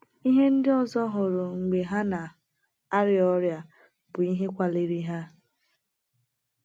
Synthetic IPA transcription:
i˦ɦe˦n̩˦dɪ˦ɔ˦zɔ˦ɦʊ˨ɾʊ˨ŋ͡m̩˨ɡ͡be˨ɦa˦na˨ | a˦ɾɪ˦ɔ˦ɾja˦ | bʊ˨i˦ɦe˦kʷa˦le˨ɾi˦ɦa˦

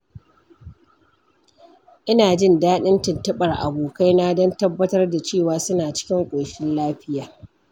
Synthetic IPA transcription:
ʔɪ˦naː˨d͡ʒɪ˦˨ndaː˦ɗɪ˦ntɪ˨ntɐ˦ɓɐ˨rʔa̰˨boː˨ka˦jna˦dɐ˦ntɐ˦bːɐ˦tɐ˦rda˨t͡ʃeː˦˨waː˨sʊ˦naː˨t͡ʃɪ̥˦kʲɪ˦ŋkʷʼoː˨ʃɪ˦nlaː˦ɸɪ˦jaː˨

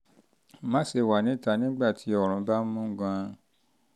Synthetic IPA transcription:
mã˦se˧˨wa˨nĩ˨˦ta˧˦nĩ˦ɡ͡ba˦˨tʰi˨˦ɔ˦˨ɾ̃ũ˨˦ba˦mũ˦ɡã˧

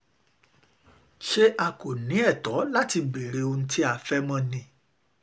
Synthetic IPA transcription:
ʃe˦ʔa˧ko˨nĩ˨˦ɛ˦˨tɔ˨˦la˦ti˧ɡ͡be˨ɾe˧o˧n̩˦ti˦a˦˨fɛ˦mã˦nĩ˧˦

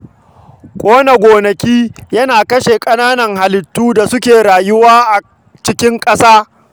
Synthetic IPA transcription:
kʷʼoː˦na˨ɡʷoː˨nɐ˨kʲiː˦jɐ˦naː˨kɐ˦ʃe˨kʼɐ˦naː˦nɐ˨ŋɦa˨lɪ˨tːuː˦da˨sʊ˦kʲeː˨ɾaː˨jʊ˦waː˦ʔa˨ | t͡ʃɪ˦kʲɪ˦ŋkʼɐ˦saː˦

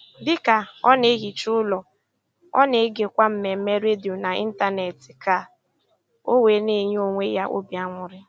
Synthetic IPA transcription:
bɪ˦ka˨ɔ˦ne˦ɣi˨t͡ʃu˦ʊ˦lɔ˨ | ɔ̰˦ne˨˦ɡe˨kʷa˦m̩˨me˨m̩˦me˦ɾe˦di˨o˨na˨ḭ˦n̩˦ta˦ne˨tɪ˨ka˦˨ | o˦we˨ne˦ɲ˦o˨ŋʷe˦ja˦ʔo̰˦bi˨a˦ŋʷʊ˨ɾɪ˦

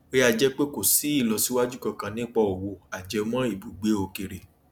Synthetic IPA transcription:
e˦a˧d͡ʒɛ˦k͡pe˦ko˦˨si˨˦i˦˨lɔ˧si˦wa˦d͡ʒu˦kã˧kã˧nĩ˦k͡pa˧o˨wo˧a˨d͡ʒɛ˨˧mã˦i˦˨bu˨ɡ͡be˨˦o˧ke˧ɾe˨

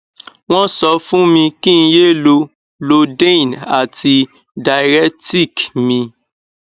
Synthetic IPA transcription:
w̃ɔ̃˦sɔ˧fũ˦mĩ˧kĩ˦˧je˦˨lo˧ | lo˧dẽ˦˨na˨ti˧ | da˨ɾɛ˦ti˦˨kmĩ˧

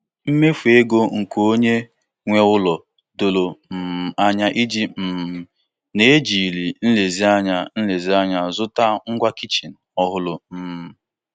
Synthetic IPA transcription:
m̩˦me˦fu˨e˦ɡo˦ŋ̩˨ko˦ɲe˦ | ŋʷe˦ʊ˦lɔ˨ | do˨lo˨m̩˨a˦ɲa˦ʔi˦d͡ʒi˦m̩˨ | ne˦e˦d͡ʒi˨li˨n̩˦le˨zi˦a˦ɲa˦n̩˦le˨zi˦a˦ɲa˨zʊ˦ta˦ŋ̩˦ɡʷa˦ki˦t͡ʃi˨n̩˨ɔ˦ɦʊ˦lʊ˨m̩˨

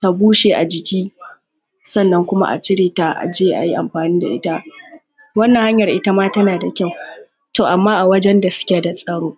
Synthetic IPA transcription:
ta˨buː˦ʃeː˨ʔa̰˨d͡ʒɪ˨kʲiː˦ | sɐ˦˨nːɐ˦ŋkʷʊ˦ma̰˦ʔa̰˨t͡ʃɪ˦ɽeː˨ta˦ʔa̰˨d͡ʒeː˦ʔa̰˨ji˦ʔa˨mɸaː˨niː˦da̰˨ʔɪ̰˦ta˦ | wɐ˦nːɐ˨ha˦ɲjɐ˨rʔɪ˦ta˦maː˦tɐ˦naː˨da˨kʲa˦˨w | toː˨ʔa˨mːaː˦ʔa˨wɐ˦d͡ʒɛ˦nda˨sʊ̥˦kʲe˨da˨sʼɐ˨ɽoː˦

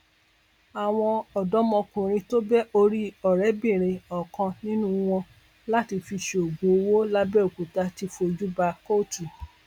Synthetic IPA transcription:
a˨w̃ɔ̃˧ɔ˨dɔ˨˦mɔ̃˧kũ˨ɾ̃ĩ˧to˦bɛ˦o˧ɾi˦ɔ˨ɾɛ˨˦bĩ˦˨ɾ̃ĩ˧ɔ˨kã˧nĩ˦nũ˦w̃ɔ̃˧ | la˦ti˧fi˧ʃe˨o˨ɡũ˨o˧wo˦la˦bɛ˦˨o˨ku˨ta˧ti˧fo˧d͡ʒu˦ba˧ko˦˨tu˨

